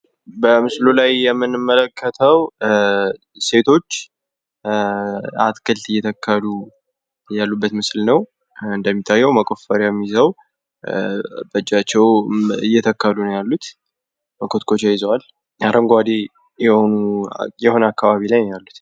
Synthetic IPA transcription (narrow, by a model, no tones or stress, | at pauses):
bəmɨslulajːɛmːɨnɨmːələkʰːət̪ʰəw | se̞t̪ʰo̞t͡ʃː | at̪kʰɨlt̪ɨjːɛt̪ʰəkʰːəlu | jalːubːət̪mɨslnəw | ɨnd̪əmːit̪ʰʼːajːɛwməkʼo̞fəɾjamːizəw | bət͡ʃʼːat͡ʃːɛwɨjːɛt̪ʰəkʰːəlunəjalːut̪ | məkʰot̪kʰo̞t͡ʃajɪzəwal | jaɾʔəŋɡoad̪e | jɛhonujɛho̞nəakːaβaβilajmjalːut̪